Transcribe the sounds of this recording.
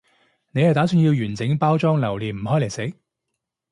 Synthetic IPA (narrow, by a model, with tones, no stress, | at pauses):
ne˨˧jhɐ˨jt̪aː˨˥syː˧nji˧wjyː˨˩nt͡sɪ˨˥ŋpaː˥wt͡ʃɔː˥ŋlɐ˨˩wliː˨˩nm̩˨˩ɦɔː˨˥jljse˨˥k